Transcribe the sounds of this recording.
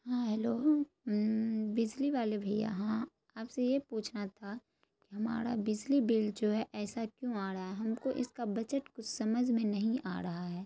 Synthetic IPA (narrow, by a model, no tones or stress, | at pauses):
ɦãːɦɛloː | bɪd͡ʒliʋaːlebʱɐija̰ɦãː | aːpsejepuːt͡ʃʰnat̪ʰa | kiɦɐma̰ːɾa̰bɪd͡ʒlibɪld͡ʒoːɦɛʔɛːsakjõaːɾɐɦaɦɛɦɐmkoʔɪ̰skabɐt͡ʃəʈkʊt͡ʃʰsɐməd͡ʒʱmẽnɐɦĩʔa̰ːɾɐɦaɦɛː